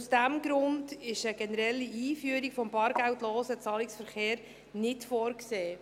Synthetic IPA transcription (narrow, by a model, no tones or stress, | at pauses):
usd̥æmɡɾʊndɪʃəɡ̥ɛnəɾɛlːiiːfyːɾikfɔmbɑːɾɡ̥æwtloːsət͡sɑːliksfəɾχeːɾ | nɪtfoːɾkseː